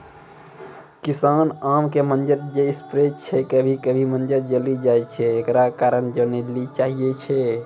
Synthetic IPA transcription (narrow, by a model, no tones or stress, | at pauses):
kisanamkemənd͡ʒəɾd͡ʒeispɾet͡ʃʰɛkəbʱikəbʱimənd͡ʒəɾd͡ʒəlid͡ʒajt͡ʃʰɛːkɾakaɾənd͡ʒənelit͡ʃaɦijet͡ʃʰɛ